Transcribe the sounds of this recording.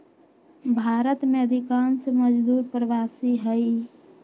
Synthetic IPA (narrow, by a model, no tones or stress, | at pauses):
bʱaːɾət̪meəd̪ʱikaːnseməd͡ʒd̪uːɾpɾəʋaːsiɦəi